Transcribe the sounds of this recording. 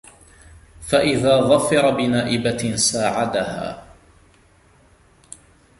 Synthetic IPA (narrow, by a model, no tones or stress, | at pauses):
faʔɪðaːɣɑfːɑɾˤɑbɪnaːʔɪbasaːʕad̪aha̰ː